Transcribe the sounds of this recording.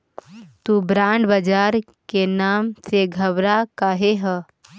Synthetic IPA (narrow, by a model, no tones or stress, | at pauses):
t̪uːbɾãːɳɖbəd͡ʒaːɾ | kenaːmseɡʱɐʋɾakaːɦeɦə